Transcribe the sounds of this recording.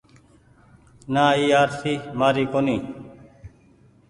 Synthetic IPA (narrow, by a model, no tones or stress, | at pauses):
naːiːaːɾsiːmaːɾiːkoːniː